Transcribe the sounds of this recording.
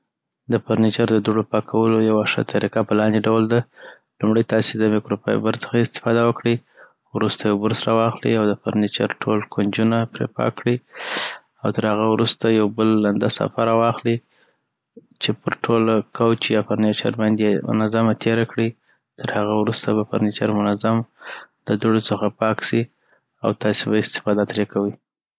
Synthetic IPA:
d̪əpaɾnet͡ʃaɾd̪əd̪uɖopɑkʰawəlojawaʂə̰t̪ʰaɾikapəlɑnd̪eɖawld̪a | lumɽəjt̪ɑsed̪əmikɾopɑ̰j̰baɾt͡sə̥xaɪst̪ɪ̥fɑd̪awəkɽi | wɾust̪ajawbəɾsɾawɑxlḭawd̪əpaɾnet͡ʃaɾʈʰolkund͡ʒunapɾḛpɑ̰kɽi | awt̪əɾhaɣawɾust̪ajawbəlːand̪asa̰faɾawɑxli | t͡ʃepəɾʈʰolkʰawt͡ʃijɑpaɾnet͡ʃa̰ɾbɑnd̪jemʊ̰nazamat̪ʰeɾakɽi | t̪əɾhaɣawɾust̪abapa̰ɾnet͡ʃaɾmʊnazamd̪̥əd̪uɽot͡səxapɑksi | a̰wt̪ɑsebaɪst̪ɪ̥fɑd̪at̪ɾekawi

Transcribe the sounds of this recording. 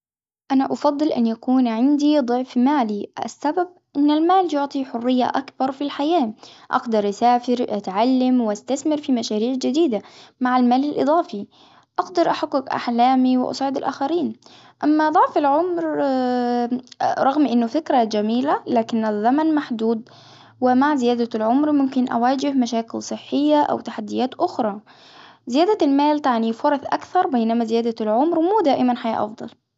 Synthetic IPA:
ʔanaʔɑfɑd̪ˤːɨlʔa̰njakuːnʕɪnd̪id̪ˤʊʕfmaːliʔa̰sːabab̚ʔɪnːalmaːljʊʕt̪ˤiħʊrːɪjːa̰ʔakbɑɾˤfilħajaːʔa̰ɡd̪ɑɾˤʔasaːfɪɾʔat̪ʕalːamwɪʔast̪aθmɪɾfimaʃaːɾiːʕd͡ʒɪd̪iːd̪amaʕalmaːlalʔɨ̰d̪ˤɑːfi | ʔɑɡd̪ɑɾˤʔaħaɡːʊkʔa̰ħlaːmiwɪ̰ʔɑ̰sˤʕɪd̪ɪlʔa̰ːxaɾiːn | ʔamːad̪ˤɑʕfalʕʊmɾ | ɾˤɑɣmʔɪnːʊfɪkɾad͡ʒamiːlalaːkɪnːazːamanmaħd̪uːd̪̚ | wɪmaʕzɪjaːd̪alʕʊmɾmʊmkɪnʔa̰waːd͡ʒɪhmaʃaːkɪlsˤɨħːɪjːaʔa̰wt̪aħad̪ːɪjaːt̪ʔʊxɾˤɑː | zɪjaːd̪almaːlt̪aʕnifʊɾˤɑθʔakθɑɾˤbajnamazɪjaːd̪alʕʊmɾmuːd̪aːʔɪmanħaja̰ːʔɑ̰fd̪ˤɑ̰l

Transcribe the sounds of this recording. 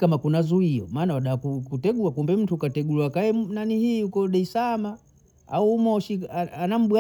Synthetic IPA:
kamakunazuiɔ̰maːnawaɗakukutɛɡuakumbɛm̩tukatɛɡuluakaɛnanihiukɔɗɛisama | a̰uːmɔʃiaanam̩ɓwa

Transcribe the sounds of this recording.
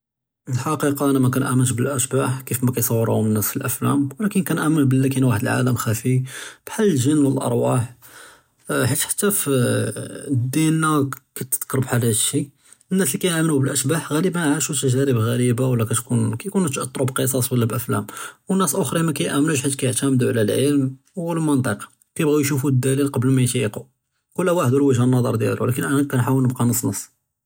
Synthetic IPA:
əlħɑqiqɑʔænæmækænʔæmənʃbəlʔæʃbaħkifmækæjsˤɑwːɾ̰ˤənːæsfilʔæflæmwlækənkænʔæmənbəlːækinwaħəd̪əlʕa̰ləmxæfib̥ħalːəlʒənːwəlʔɑ̰ɾˤwɑħ | ħit̪ħḁt̪ːæf | d̪ːinːakæt̪ːət̪qɾˤəbħalæʃi | ənːæslikæjʔæmənubəlʔəʃbaħɣæləbænʕaʃut̪æʒæɾəbɣæɾibawəlːækæt̪kunkæjkunt̪ʔɑt̪ˤːɾˤubqəs̬ˤɑsˤwəlːæbʔəflæ̰mwənːæsʔoxɾˤimækæjʔæmnuʃħat̪kæjəʕt̪æmd̪uʕlælʕəlm | wlmənt̪ˤəqɑ̥ | kæjəbɣæjʃufud̪ːælilqɑbəlmæjt̪jiqu | kʊlːæwaħəd̪ulwəʒhænːɑd̪ˤə̰ɾˤd̪jæ̰lṵwlækənʔænækænħawəlnəb̚qɑnəsˤnəsˤː

